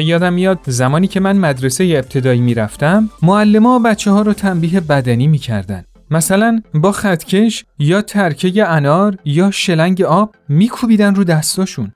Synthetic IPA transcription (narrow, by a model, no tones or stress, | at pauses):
jɒːd̪æmːijɒd̪̚zæmɒːniːcʰe̞mænmæd̪ɾe̞sejeːb̚t̪ʰe̞d̪ɒːiːmiːɾæft̪æmːoælːe̞mɒːbæt̪t͡ʃʰːeɦɒːɾɒːt̪ʰæmbiːɦe̞bæd̪æniːmiːcʰæ̰ɾd̪æ̰nd̪̥ | mæsælænbɒːxæt̪ʰcʰe̞ʃjɒːt̪ʰæɾcʰe̞jeænɒːɾjɒːʃe̞læŋɟe̞ɒːb̥̚ | miːkʰubiːd̪ænruːd̪æst̪ʰɒːʃun